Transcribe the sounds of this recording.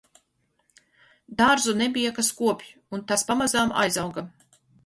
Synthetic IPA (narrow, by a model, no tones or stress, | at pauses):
d̪aɾzunebijakaskuɔpjuunt̪aspamazaːma̰jzawɡa